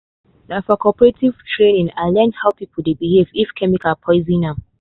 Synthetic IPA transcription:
naʊfɔkʰɔpɹetʰiv̥tʰɹẽnĩŋaɪlɛ̃nhaʊpipʰəl̩debihevifkʰɛmikalpʰɔɪzĩnã

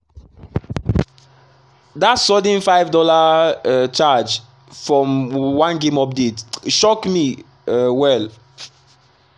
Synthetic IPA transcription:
datsɔdĩnfaɪvdɔla | t͡ʃad͡ʒ | fɹɔ̃mwãnɡẽmɔp̚detʃɔkmi | wɛl

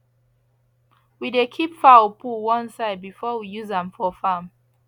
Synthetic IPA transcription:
widekʰipfapʰuwɔ̃nsaɪd̚bifɔwijuzãmfɔfam

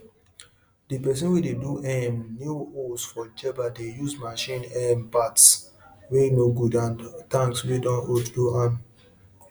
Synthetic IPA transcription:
dipɛs̬ɛ̃nwideduʔɛmnuosfɔd͡ʒɛbadejusmaʃĩnɛmpats | wenoɡudãntãŋkswidɔ̃notduam

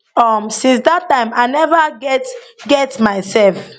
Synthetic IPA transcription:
ɔmsĩns̬datãɪ̃maɪnɛvaɡɛtɡɛtmaɪsɛlf

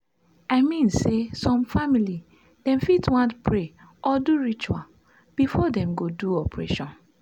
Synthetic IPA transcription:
aɪmĩnsesɔ̃mfamili | d̥ɛ̃mfitwãntpʰɹe | ʔɔduɹit͡ʃua̰l | b̥ifɔdɛ̃mɡoduɔpɹḛʃɔ̃n

